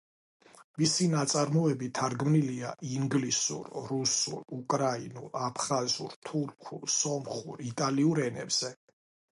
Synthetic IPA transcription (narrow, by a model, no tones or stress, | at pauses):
visinat̪sʼaɾmɔɛbit̪ʰaɾɡmniliaʔiŋɡlisṵɾɾusṵɾukʼɾainṵlapʰχazṵɾt̪ʰuɾkʰulsɔmχuɾit̪ʼaliuɾɛnɛ̰bz̥ɛ